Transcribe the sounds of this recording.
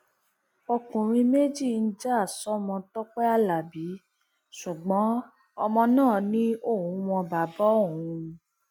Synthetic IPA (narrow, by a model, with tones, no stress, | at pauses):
ɔ˧kũ˨ɾ̃ĩ˧me˦d͡ʒi˦˨n̩˦d͡ʒa˦˨sɔ˨˦mɔ̃˧tɔ˦k͡pɛ˦a˧la˨bi˨˦ | su˨ɡ͡bɔ̃˨˦ | ɔ˧mɔ̃˧nãː˦˨nĩ˦o˦˨wũ˨˧˦w̃ɔ̃˧ba˨bɔ˦o˦˨wũ˧